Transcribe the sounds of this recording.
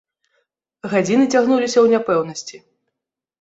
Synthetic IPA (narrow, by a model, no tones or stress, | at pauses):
ɣad͡zʲinɨt͡sʲaɣnulʲisʲɐwnʲapɛwnɐsʲt͡sʲi